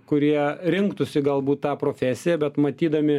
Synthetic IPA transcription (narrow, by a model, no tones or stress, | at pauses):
kʊɾʲiɛɾʲɪŋkt̪ʊsʲɪɡɐlˠbuːt̪t̪ɑːpɾoːfʲæːsʲɪjɛbʲɛt̪mɐt̪ʲiːd̪ɐmʲɪ